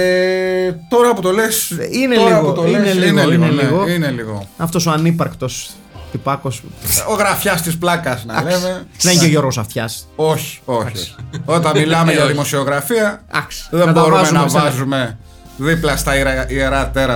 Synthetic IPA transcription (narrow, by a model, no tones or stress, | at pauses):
et̪o̞ɾɐput̪olesineliɣout̪oinelieineliɣo̞ineliɣo̰ɐft̪o̞soɐnipɐɾkt̪o̞s | t̪ipɐko̞soɣɾɐfçɐst̪isplɐkɐsnɐɐ̰leme̞ðeceʝo̞ɾɣo̞sɐft̪çɐsoçi̥oɐsi̥ot̪ɐnmilɐmeʝɐðimo̞sio̞ɣɾɐfiɐɐksi̥ðenɐtb̪ooɾuɐmzeunɐmɐsvɐzume̞ | ðiplɐst̪ɐiɾɐieɾɐt̪eɾɐ